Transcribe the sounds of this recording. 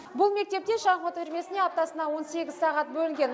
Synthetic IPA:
bʊlˠme̞k̚t̪e̞p̚t̪e̞ʃɑmɑt̪ɪɾme̞sɪne̞ɑp̚t̪ɑsənɑwo̞nse̞ɡʲɪzsɑʁɑt̪̚bɵlɪŋɡʲen

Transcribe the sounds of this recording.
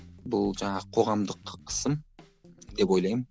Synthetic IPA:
bʊlˠd͡ʒɑɴɑʁəqʰo̞ʁɑmd̪əqqʰə̥səm | d̪e̞po̞jlˠɑjmən

